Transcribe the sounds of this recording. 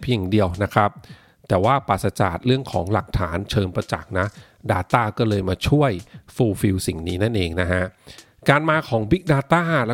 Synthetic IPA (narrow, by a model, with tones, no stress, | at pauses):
pʰja˨˩ŋdi˧əwna˦˥kʰɾa˦˥p̚ | t̪ɛː˨˩waː˥˩paː˨˩t̪sa˧t͡ɕa̰ː˨˩t̪̚ɾɯ˥˩əŋkʰɔː˩˦ŋla˨˩k̚t̪ʰaː˩˦nt͡ɕʰɤː˧npa˧t͡ɕa̰˨˩k̚na˦˥ | daː˧t̪aː˥˩kɔː˥˩lɤː˧jmaː˧t͡ɕʰu˥˩əjfuː˧fi˧wsi˨˩ŋniː˦˥na˥˩nʔeː˧ŋna˦˥ɦa˦˥ʔ | kaː˧nmaː˧kʰɔː˩˦ŋbi˦˥k̚daː˧t̪aː˥˩l